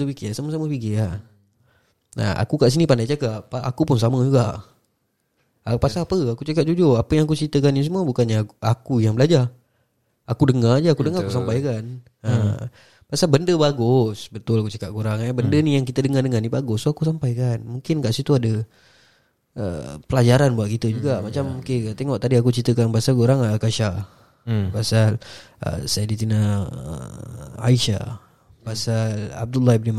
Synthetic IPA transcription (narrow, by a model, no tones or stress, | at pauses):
upikɪsaməsaməpiɡia | na̰a̰kukaʔs̬inipandajt͡ʃakaʔpʔa̰kupʊnsaməd͡ʒuɡaʔ | pasapəakut͡ʃakat̪̚d͡ʒud͡ʒoapəjaŋakut͡ʃit̪əkanis̬əmuəbukanɲaakujaŋbəlad͡ʒa | akudəŋard͡ʒaakudəŋaɾakusampajkan | ə | pasalbəndəbaɡʊsbət̪ʊlakut͡ʃəkaʔ̚kuɾaŋɛbəndənijaŋkit̪ədəŋardəŋarnibaɡʊsoakusampajkanmuŋkɪnkaʔsit̪uadə | ə̰pəlad͡ʒaɾanbuaʔkit̪əd͡ʒuɡaʔmat͡ʃamːuket̪eŋɔʔt̪adiakut͡ʃit̪əkanpasalkuɾaŋakaʃa | pasal | ə̰sajadit̪inaə̰a̰iʃa̰ | pasala̰b̚dulːahibnim